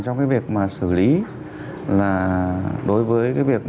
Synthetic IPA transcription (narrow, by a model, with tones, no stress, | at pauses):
t͡ɕɔ˧wŋ͡mkaː˨˦jvi˨˩ək̚maː˨˩sɨ˧˩li˨˦ | laː˨˩ɗo˨˦jvəː˨˦jkaː˨˦jvi˨˩ək̚